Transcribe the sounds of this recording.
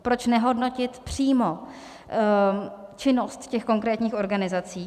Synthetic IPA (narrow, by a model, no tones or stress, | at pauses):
pɾo̞t͡ʃnɛɦo̞dno̞cɪt̪pr̝̥iːmo | t͡ʃɪno̞st̪cɛxko̞ŋkɾɛːt̪ɲiːxo̞ɾɡanɪzat͡siː